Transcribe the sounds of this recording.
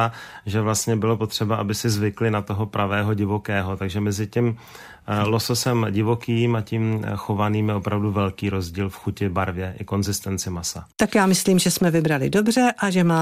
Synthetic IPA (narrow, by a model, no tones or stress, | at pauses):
aʒɛvlast̪ɲɛbɪlopot̪r̝̥ɛbaʔabɪsɪzvɪklɪnat̪oɦo̞pɾʔavɛːɦo̞ɟɪvo̞kɛːɦot̪aɡʒɛmɛzɪcim | lososɛmɟɪvokiːmacimxo̞vaniːmjɛʔo̞pɾavduvɛlkiːɾo̞zɟiːlfxucɪbaɾvjɛʔɪko̞nzɪst̪ɛnt͡sɪmasat̪akjaːmɪsliːmʒɛsmɛvɪbɾalɪdo̞br̝ɛʔaʒɛmaː